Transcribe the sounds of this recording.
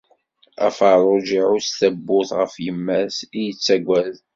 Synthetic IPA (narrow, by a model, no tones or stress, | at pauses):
æ̰fəɾˤʊd͡ʒiʕʊsθæbːʊθʁəfjəmːæsijət͡sːæɡʷːæð